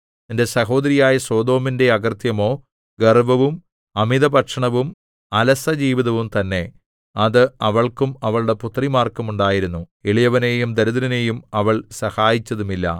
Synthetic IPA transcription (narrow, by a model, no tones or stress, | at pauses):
ende̞sɐɦo̞ːd̪ɐɾijaːjɐswoːd̪o̞ːminde̞ɐɡɐrt̪jɐmo̞ː | ɡerʋɐʋum | ɐmiðɐbɐʈʂɐɳɐʋum | ɐlɐsɐd͡ʑiːʋiðɐʋumt̪ɐnːe̞ | ɐðɨɐʋɐɭkumɐʋɐɭuɽe̞put̪rimaːrkːɐmuɳɖaːjiɾunːu | eɭijɐʋɐneːjumd̪ɐɾuðɐɾɐne̞ːjumɐʋɐɭsɐhaːjit͡ɕːɐðumilːɐ̰